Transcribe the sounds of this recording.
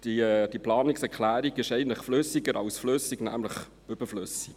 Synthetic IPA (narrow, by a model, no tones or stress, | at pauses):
d̥id̥iplɑːnɪksɛʁklæːɾiɡɪʃɛɪən̩tləχflʏsɪɡəɾɑ̰ʊsfløsɪɡnæ̰ːmləχ | ʏb̥əfløsɪ̥k